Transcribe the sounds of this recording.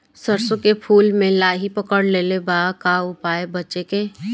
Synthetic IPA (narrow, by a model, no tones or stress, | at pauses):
səɾsõkepʰuːlmẽlaːɦipəkəɽleːlebaːkaːʊpaːebɐtːt͡ʃekeː